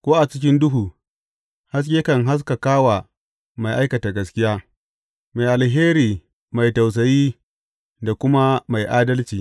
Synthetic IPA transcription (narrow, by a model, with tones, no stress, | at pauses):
kʷoː˦ʔa˨t͡ʃɪ˦kʲɪ˦ndʊ˦ɦuː˨ | ha˦s̬kʲe˦kɐ˨ŋɦa˦s̬ka˨kaː˦wa˨ | ma˨jʔa˦jkɐ˨ta˨ɡɐ˦skʲɪ˦jaː˦ | ma˨jʔa˨lɦeː˦ɾiː˨ | ma˨jta˨ws̬ɐ˨jiː˦ | da˨kʷʊ˦ma˦ma˨jʔaː˦dɐ˦lt͡ʃiː˨